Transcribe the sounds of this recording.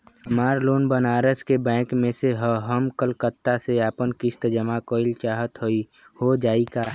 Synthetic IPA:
ɦəmaːɾloːnbənaːɾəskebɛ̃ːkmẽseɦoɦəmkəlkət̪ːaseaːpənkɪst̪d͡ʒəmakoːɪlt͡ʃaːɦət̪ɦoi | hod͡ʒaːikaː

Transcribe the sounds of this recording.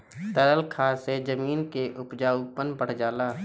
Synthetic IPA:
t̪əɾəlkʰaːsed͡ʒəmiːnkeʔʊpd͡ʒaːupənpəɽ̤d͡ʒaːlaː

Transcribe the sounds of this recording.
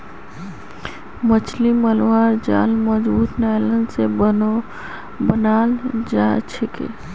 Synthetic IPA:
mət͡ʃʰliməlwaɾd͡ʒa̰lməd͡ʒbut̪najlənsebəno | bənald͡ʒat͡ʃʰekḛ

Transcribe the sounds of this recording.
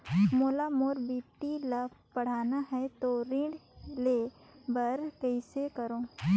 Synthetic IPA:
moːlamoːɾbiːp̚ʈilabpɐɽ̤aːnaɦɛt̪oɾɪ̃ɖle | bɐɾkɐisekɐɾoː

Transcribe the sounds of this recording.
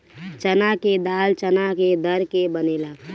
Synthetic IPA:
t͡ʃənaked̪aːlt͡ʃənaked̪əɾkebənelə

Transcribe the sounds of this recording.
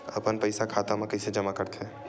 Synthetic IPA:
ə̰pənpəɪsakʰaːt̪amãkɐɪsed͡ʒəmakəɾt̪ʰe

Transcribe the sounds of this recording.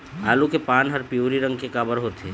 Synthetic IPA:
aːlukepaːnɦəɾpijoːɾiɾə̃ŋɡ̚kekaːbəɾɦot̪eː

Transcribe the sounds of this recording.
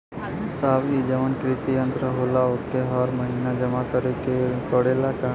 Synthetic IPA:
saːbid͡ʒəʋənkɾɪsijə̃nt̪ɾəɦoːlaʊt̪ːeɦɔːɾməɦinad͡ʒɐmatəɾikeʈoɽelaka

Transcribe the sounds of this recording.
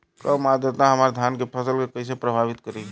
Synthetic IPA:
kəmad̪et̪naɦəmaɾd̪ʱjankepʰəsəlkekəs̬epɾəbʱabit̪kəɾi

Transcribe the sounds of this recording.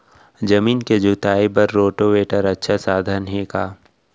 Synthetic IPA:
d͡ʒɐmiːnked͡ʒʊt̪aːipɐɾːoːʈoʋeːʈəɾɐtːʃʰasaːd̪ʱənɦekaː

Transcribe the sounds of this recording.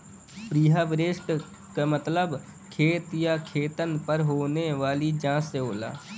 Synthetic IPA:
pɾiːɦaʋɪɾeʃʈ | kamət̪ləb | kʰeːt̪jakʰeːt̪ənpəɾɦoːneʋaːlid͡ʒãːsːeɦoːla̰ː

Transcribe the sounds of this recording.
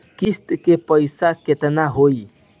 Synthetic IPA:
kist̪kepəjsaket̪naɦoi

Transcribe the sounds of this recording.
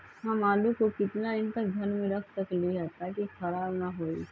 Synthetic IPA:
ɦãmaːlukokɪt̪naɪnt̪əɡʱɐnmẽɾəkʰt̪əkliɦət̪akikʰɐɾaːbnaɦoːi

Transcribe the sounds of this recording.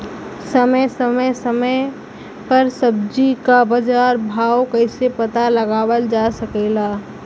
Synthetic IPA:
səməjsəməjsəmə | pəɾsəb̚d͡ʒikabəd͡ʒaːɾbʱaːwkəɪsepət̪aləɡaːwəld͡ʒasəkelaː

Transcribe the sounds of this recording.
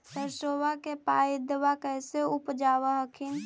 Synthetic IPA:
səɾsoʋakepaid̪ʋakəjseupd͡ʒaʋəɦəkʰin

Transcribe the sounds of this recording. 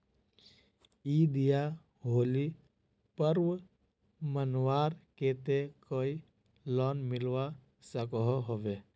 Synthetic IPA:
iːd̪ija | ɦoːli | pəɾʋ | mənwaːɾket̪ekoːi | lɔːnmɪlwa | səkɦɔɦoʋeː

